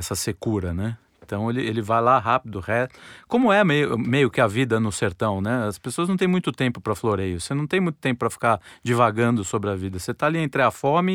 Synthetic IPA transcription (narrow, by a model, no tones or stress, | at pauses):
ɛsɐsekuɾɐnɛẽt̪ɐ̃w̃elɪelɪvajlaɦapɪd̪ʊhɛkõmʊɛmejʊmejʊkɪɐvid̪ɐnʊseɾt̪ɐ̃w̃nɛɐspesoɐznɐ̃w̃t̪ẽj̃mũj̃t̪ʊt̪ẽmpʊpɾɐfloɾejɐvsenɐ̃t̪ẽj̃mũj̃t̪ʊ̥t̪ẽmpʊpɾɐfi̥kaɾd͡ʒivaɡɐ̃nd̪ʊsobɾɪɐvid̪ɐset̪aliẽnt̪ɾɪafɔmɪ